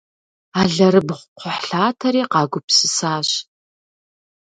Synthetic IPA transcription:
aːɮɐɾɨbχʷʊqʷʊħɬaːtʰɐɾiːqɑːɡʷʊpsɨsaːɕ

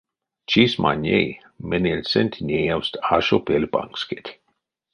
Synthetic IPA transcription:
t͡ʃisma̰nʲḛj | menʲelʲsenʲt̪ʰʲnʲejawst̪aʃopelʲpa̰ŋksket̪ʲ

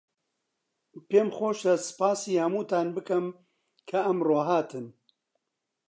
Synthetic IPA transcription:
peːmxoːʃɐsɨ̥paːsiːhɐmuːt̪aːnbɨkɐm | kʰɐɐmroːɦaːt̪ʰɨn

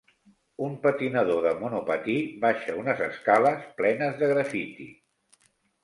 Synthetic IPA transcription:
umpət̪inəðoðəmunupət̪iβaʃəunəzəskaləsplɛnəzðəɣɾəfit̪ḭ

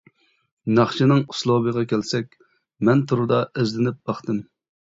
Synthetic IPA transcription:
nɑχt͡ʃʰinɨŋuslˠobəʁɑkʲʰælsɛkʲ | mɛnt̪ʰuɾud̪ɑezlɪnɪp̚b̥ɑχt̪ɨm

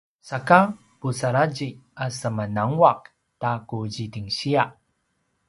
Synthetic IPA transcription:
saka | pusaɾad͡ʑiasəmanaŋwak | takuzitiŋɕia

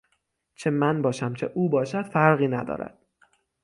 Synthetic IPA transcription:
t͡ʃʰe̞mænbɒːʃæmt͡ʃʰe̞ʔuːbɒːʃæd̪̥fæɾɣiːnæd̪ɒ̰ːɾæ̰d̪̥

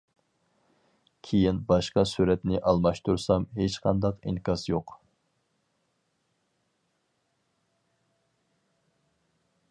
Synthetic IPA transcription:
kʲʰejinbɑʃqɑsuɾɛt̪nɪʔɑlˠmɑʃt̪uɾsɑmɦet͡ʃqʰɑ̰nd̪ɑqḭnkʲɑsjoq

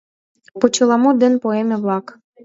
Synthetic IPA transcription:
pot͡ɕɤlˠɑmud̪ɘnpoemʲeβlˠɑk

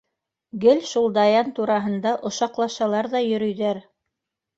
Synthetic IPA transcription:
ɡɘlʃulˠd̪ɑjɑnt̪uɾɑɦɤ̆nd̪ɑʔŏʃɑqlˠɑʃɑlˠɑɾðɑjɵ̆ɾɵ̆jðæɾ

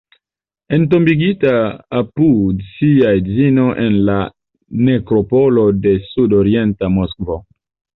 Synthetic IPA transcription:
ent̬o̞mbiɡitaːpudsiazino̞ʔenla | ne̞kɾo̞polode̞sudoɾientamoskvo

